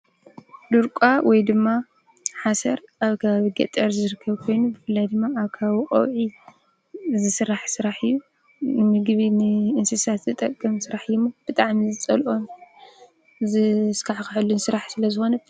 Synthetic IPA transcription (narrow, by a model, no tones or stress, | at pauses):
d̪uɾkʷʼawɔjd̪ɨmːa | ħasɐɾʔaβkʰɐβaβiɡɐ̰t̪ʼɐɾzɨɾɨkʰːɐβkʰo̞jnubɨfɨlːajd̪ɨmːaaβkʰaβqʼɐ̰wʕi | zɨsɨɾaħsɨɾaħɨjːu | nɨmɨɡβinɨɨnsɨsat̪zɨt̪ʼɐkʼːɐmsɨɾaħɨjumːob̥ɨt̪ʼaʕmizɨt͡sʼɐ̰lʔom | zɨskʰaħxɨħɨlːunsɨɾaħsɨlɐzɨxo̞nɐ